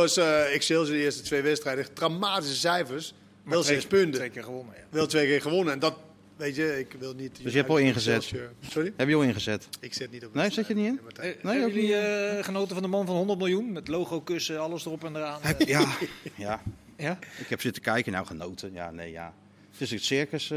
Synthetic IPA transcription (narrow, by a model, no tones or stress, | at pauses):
ɔsɪksɪlˠsəɪːstətʋejʋɛtstrɛjdətramaːtisəsɛjfərs | ʋɛlˠɪspøndəekɪəʋonəʋɛlˠtʋejkɪːɹχəʋonəɛndɔt | ʋejtjəɪkʋɪlˠnitøsjəɛpʋɔlˠɪnχəzɛtsorijəɛpjəɔlˠɪnχəzɛtɪksɪt̚nitɔnejsɛtjətniɪnnejowiχənowtəfɔndəmɑnfɑnɦɔndərt̚mɪlˠjunmɛtlowχowkøsəɑləsdərɔpɛndəraːnjaja | ɪkhɛpsɪtə̥kɛjkəna̰wχənowtʰəja̰nḛjja̰ | tɪsikətsɪɹkəs